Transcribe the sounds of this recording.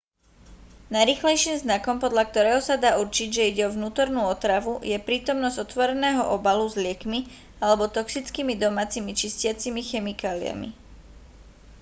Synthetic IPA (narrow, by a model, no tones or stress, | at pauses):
najɾiːxlɛjʃiːmznakɔmpɔd̪ʎak̚t̪ɔɾɛːɦɔsad̪aːuɾt͡ʃiɟʒɛiɟɛɔʋnuːt̪ɔɾnuːɔt̪ɾaʋujɛpɾiːt̪ɔmnɔzɟɔt̪ʋɔɾɛnɛːɦɔʔɔbaluzlɪɛkmi | alɛbɔt̪ɔksit͡skiːmid̪ɔmaːt͡simit͡ʃiscɪat͡simixɛmikaːlḭa̰mḭ